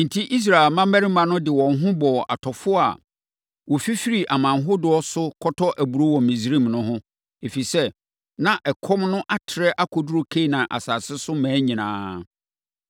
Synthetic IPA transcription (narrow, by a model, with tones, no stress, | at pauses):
n̩˨tʰi˦ʔi˦s̬ɾa˨ɪ˨lmã˦mæ˦ɾi˦mã˨˦nʊ̃˦dɪ˨wɔ̃˨nɦʊ̃˦bɔ˨ʔa̰˨tʰɔ˨fʊ˦a̰˨ | wɔ˨fi˦fi˦ɾi˨ʔa˨mã˨nɦʊ˦dʊ˨˦ɔ˦sʊ˦kʰɔ˦tʰɔ˦ʔæ˨bu˨ɾo˦wɔ̃˨mĩ˨sɾĩ˦˨mnʊ̃˦ɦʊ̃˦ | e˨fi˨sɛ˦ | nã˨ʔɛ˨kʰɔ˦mnʊ̃˦ʔa˦tʰɪ˨ɾɛ˦ʔa˦kʰɔ˨du˦ɾo˦kʰe˦˨nã˨ʔa̰˨saː˨sɪ˦sʊ˦mæ̃ː˨˦ɲĩ˨nãː˨˦